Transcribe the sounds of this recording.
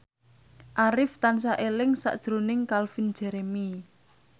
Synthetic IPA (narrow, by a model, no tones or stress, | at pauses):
ʔaɾɪft̪ansaʔelɪŋsa̰ʔd̥ʒ̥ɾunɪŋkalfind̥d͡ʒ̥ɛɾemi